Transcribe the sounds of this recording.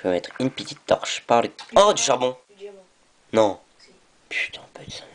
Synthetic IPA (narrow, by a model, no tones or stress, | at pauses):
øɛt̪χynpət̪it̪ːɔ̰ʁʃpaʁləɔd̪yʃaʁbɔ̃ | nɔ̃ | pʰy̥t̪ʰɛ̥̃pøsa